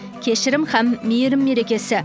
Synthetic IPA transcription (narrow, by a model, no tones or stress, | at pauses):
kʲʰe̞ʃɪɾɪmhæmːijɪɾɪmːe̞ɾe̞kʲe̞sɪ